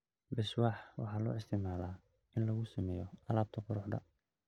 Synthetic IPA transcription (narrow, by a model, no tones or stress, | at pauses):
bɪʃwɑːħwɑ̰ħɑːlɔ̰ːɪst̪ʰɪmaːlaː | ɪnlɐɣʊsɐmɛjɔɐlaːb̚t̪ʰɐqʊɾʊħd̪ɐ̰